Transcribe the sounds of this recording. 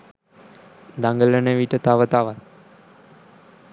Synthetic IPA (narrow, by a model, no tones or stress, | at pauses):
d̪aŋɡələnəʋiʈət̪aʋət̪aʋat̪